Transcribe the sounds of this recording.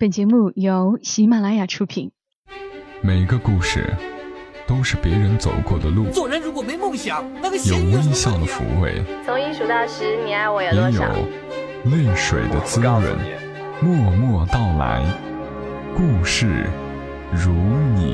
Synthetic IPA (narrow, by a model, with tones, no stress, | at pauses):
pə˨˩nt͡ɕɛ˧˥mu˥˩jo˧˥ʊɕi˧˥ma˥˩la˧˥ɪja˨˩ʈ͡ʂʰu˥pʰḭ˨˩˦n | me˨˩ɪɡə˦ku˥˧ʂɻ̩̰˥˩t̪o˥ʊʂɻ̩˥˩pjɛ˧˥ɻə˧˥nt͡so˨˩ʊkwɔ˥˩d̪ə˩lu˥˩˧ə˧˥ɻu˧˥kwɔ˨˩me˧˥mo˥˩ɕjɑ˧˥˦jo˨˩ʊwi˥ɪɕjɑ˥˩ŋd̪ə˩fṵ˧˥wḛ˥˧˩ɪt͡sʰʊ˧˥ŋi˥ʂu˨˩t̪ɑ˥˩ʂɻ̩˧˥nijɛ˧˥˧wɔ˧˥jjɛ˧˥jo̰˨˩ʊ | ly˥˩nʂwḛ˨˩ɪd̪ə˦t͡sɹ̩˥ɻə̰˧˥n˧ | mwɔ˥˧mwɔ˥˧t̪ɑ˥˩ʊla̰˧˥ɪ | ku˥˧ʂɻ̩˥˩ | ɻu˧˥nḭ˨˩